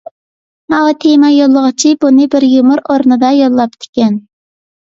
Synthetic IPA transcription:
mɑwɑt̪ʰemɑjolˠːəʁɨt͡ʃʰibunɨbɪɾjumuɾoɾnɨd̪ɑjolˠːɑp̚t̪ʰɪ̥kʲɛn

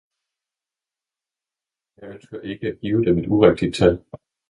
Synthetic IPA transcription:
æænsøɐe̝ɡ̥əæɡ̥iːʊd̥eme̝d̥uʁaɡ̥̚d̥id̥̚t͡sʰæl̰

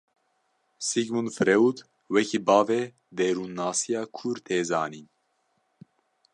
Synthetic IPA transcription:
siɡmunfɾɛud̪ | wɛkibɑːve | d̪eɾunːɑːsijɑːkʰuɾt̪ʰeːzɑːni

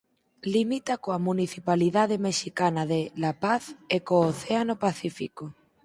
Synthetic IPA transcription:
limit̪akoamuniθipaliðaðemeʃikanaðelapaθekooθeanopaθifiko

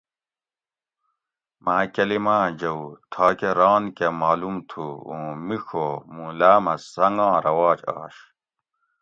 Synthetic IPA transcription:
maːkɐlimãːd͡ʑɐwut̪ʰaːkeɾaːnkemaːlumt̪ʰuũːmixomulaːmɐsɐŋɡãːɾɐwaːt͡ɕa̰ːɕ

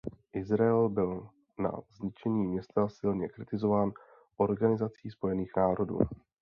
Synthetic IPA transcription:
ʔɪzɾaɛlbɪl | na̰zɲɪt͡ʃɛɲiːmɲɛst̪asɪlɲɛkɾɪt̪ɪzo̞vaːn | ʔo̞ɾɡanɪzat͡siːspo̞jɛniːxnaːɾo̞dṵː

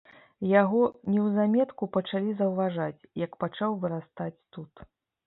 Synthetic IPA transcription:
jaɣɔnʲɛwzamʲɛt̪kupɐt͡ʂalʲizɐwvaʐat͡sʲjɐkpat͡ʂawvɨɾast̪at͡sʲt̪ut̪

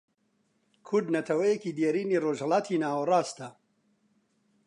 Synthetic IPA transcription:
kʰʊɾd̪nɐt̪ʰɐwɐjekiːd̪jɛɾiːniːroːʒhɐlaːt̪ʰiːnaːwɐrˤaːst̪ɐ

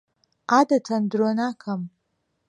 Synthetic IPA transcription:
adatʰɐndɾonakʰam

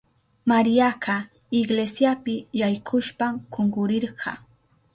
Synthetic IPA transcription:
maɾijakʰa | ɪɡlesjapɪjajkʰʊʃpamkoŋɡʊɾɪɾɢɑ̰

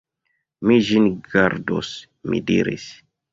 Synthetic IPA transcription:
miʒinɡaɾdo̰s | mḭdḭɾḭs

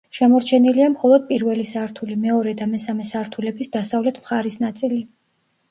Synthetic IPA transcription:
ʃɛmɔɾt͡ʃʰɛniliamχɔlˠɔd̪̥̚pʼiɾvɛlisaːɾt̪ʰulimɛɔɾɛd̪amɛsamɛsaɾt̪ʰulɛbisd̪asavlɛt̪ʰmχaɾisnat̪sʼili

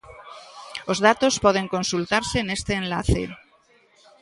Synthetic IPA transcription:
ozðat̪ospɔð̞eŋkonsult̪aɾsenest̪eːnla̰θḛ

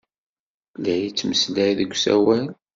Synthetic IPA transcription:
læjit͡sːməslæjðəɡʷːsæ̰wæl

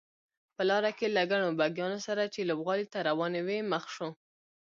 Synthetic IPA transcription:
pəlɑɾakelaɡaɳobaɡjɑnosaɾat͡ʃelobɣɑlit̪aɾawɑneweməxʃo

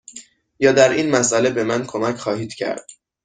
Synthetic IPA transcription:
jɒːd̪æɾʔiːnmæsʔæle̞be̞mænkʰo̞mæcʰxɒːhiːd̪̥cʰæ̰ɾd̪̥

